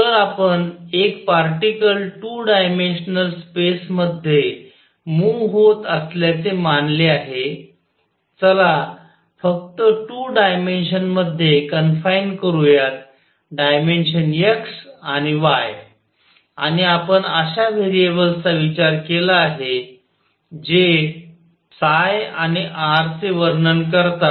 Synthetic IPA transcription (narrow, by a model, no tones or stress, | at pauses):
t̪əɾapənekpaɾʈikəlʈuːɖajmenɕnəlspesməd̪ʱje | muɦot̪əsljat͡semanleaɦe | t͡səla | fək̚t̪əʈuːɖajmenɕənməd̪ʱːjekənfainkəɾujat̪̚ | ɖajmenɕənjəksañiʋaj | aɽ̃iapəɳəɕaʋʱeɾiebəlsaʋit͡ɕaɾkelaːɦe | d͡ʑe | sajañiʔaɾt͡seʋəɾnənkəɾt̪a